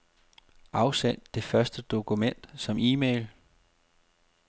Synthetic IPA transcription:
ʔɑ̈ʊsen̰ːd̥e̝fɶɐsd̥əd̥o̝kʰumen̰d̥sɒ̽miːmeɪl

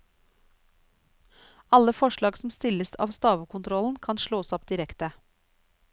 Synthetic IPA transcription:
ɑləfɔʃɭɑːɡsm̩st̪ɪləsɑ̰ːʋst̪ɑːʋəkʰʊnt̪ʰɾɔln̩kʰɑnʃɭoːsɔpd̪ɪɾɛkt̪ə

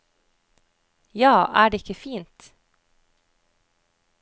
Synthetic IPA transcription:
jɑːʔæːɖeːɪkːəfiːnt̪

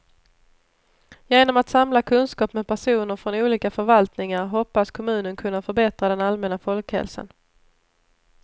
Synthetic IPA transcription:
jeːnɔmat̪samlakʰɵnskɑːpmɛpʰæʂuːnəɾfɾɔnuːliːkafœɾvalt̪nɪŋaɾɦɔpːaskʰɔmʉ̟ːnənkʰɵnːafœɾbɛt̪ɾad̪ɛnalmɛnafɔlkhɛ̰lsa̰n

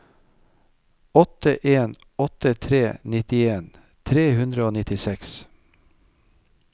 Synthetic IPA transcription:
ɔt̪əʔeːn | ɔt̪ət̪ʰɾeːnɪt̪ɪeːn | t̪ʰɾeːhʉnd̪ɾəoːnɪt̪ɪsɛks

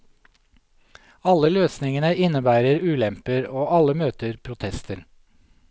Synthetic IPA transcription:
ɑləløːsnɪŋənəʔɪnəbæːɾəɾʉːlɛmpəɾoːʔɑləmøːt̪əɾpʰɾʊt̪ʰɛst̪ʰəɾ

